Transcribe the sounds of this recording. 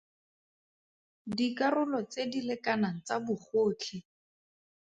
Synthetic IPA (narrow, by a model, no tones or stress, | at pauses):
dikarʊlɔt͡sedilekanaŋ̩t͡sabʊχoːt͡ɬʰɪ